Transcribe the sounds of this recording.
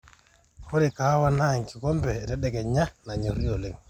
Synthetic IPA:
ko˦ɾikawa˦naŋki˨kɔ˦mpɛtɛ˦ɗɛ˨ɡɛɲa˦na˨ɲo˨ɾi˦jo˨le˨ŋ

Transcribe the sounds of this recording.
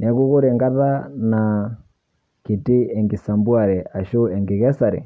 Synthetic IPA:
nɛ˨˦ɣu˦ɣu˦ɾɛ˨ŋɡa˦ða˦na˨ | ki˨ti˦ɛ˨ŋɡi˨sa˨mbwa˦˨ɾɛ˨ʔa˨ʃu˦ɛ˨ŋɡi˨ɣɛ˦sa˨ɾɛ̰˨

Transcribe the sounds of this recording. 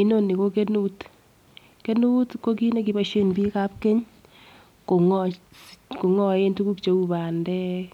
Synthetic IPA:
i˦no˦˨ni˨ko˦ke˦nu˦t | ke˦nu˦tko˦ki˦ne˦ki˨ba˨ʃe˦nbi˦ka˦p̚ke˦ɲ | ko˨ŋɔ | ko˨ŋɔ˦je˦ntu˦ku˦kt͡ʃo˨u˦ba˨ndɛ˦

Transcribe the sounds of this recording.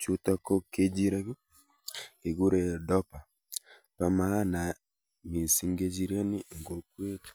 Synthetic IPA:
t͡ʃu˦ta˦ko˦ke˦d͡ʒi˦ɾa˦βi˦ | e˨ɡu˦ɾe˨dɔ˦pa˨ | pa˦ma˦a˦na˨ | mi˨si˦ŋɡe˦d͡ʒi˦ɾa˦ni˦˨ŋɡo˦kwe˦tḁ˦

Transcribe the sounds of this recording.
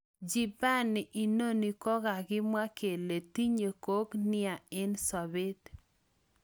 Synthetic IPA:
d͡ʒi˨ba˦˨nɪ˨ʔi˨no˦ni˨kɔ˦ɡa˨ɡɪ˦mwa˦kʰe˨le˨ti˦ɲo˨ko˦knɪ˦a˨ɪ˦nsɔ˨bɪ˦d

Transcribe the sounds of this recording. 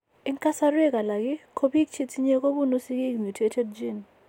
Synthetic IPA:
ɪ˦ŋka˦sa˦ɾwe˦ka˨la˨ɡɪ˦kʰo˦bi˦k̚t͡ʃi˦ti˦ɲe˦ko˦bu˦no˦si˦ki˦˨mu˨tʰe˦tʰɛ˦d̚d͡ʒi˦˨n

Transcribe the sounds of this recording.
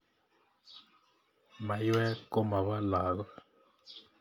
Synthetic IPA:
ma˨jwɛ˦kɔ˦ma˨βa˦la˨ɣwa˦

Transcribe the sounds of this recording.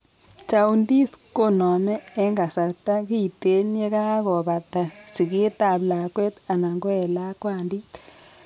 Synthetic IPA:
t͡ʃa˨u˨ndi˦sko˦nɔ˨mɛː˦ŋɡa˨sa˨ta˦ki˦˨te˦njɛ˦ka˦kɔ˨βa˨ta˨si˨ki˦ta˨bla˨kwɛ˦t̪a˨na˨ŋɡɔ˦ɛ˨la˦kwa˨ndi˦

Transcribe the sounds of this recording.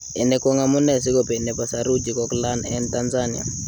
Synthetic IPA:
ɛ˨nɛ˨kɔ˦ŋamu˦nɛ˦si˦kɔpɛ˨nɛ˨pa˨saɾu˦d͡ʒi˨kɔ˦kla˦nɛntanzani˨a̰˨

